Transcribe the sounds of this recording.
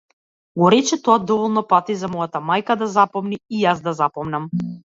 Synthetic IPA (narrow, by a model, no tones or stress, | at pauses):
ɡɔɾɛt͡ʃɛt̪ɔad̪ɔvɔlˠnɔpat̪izamɔjat̪amajkad̪azapɔmniːjazd̪azapɔmnam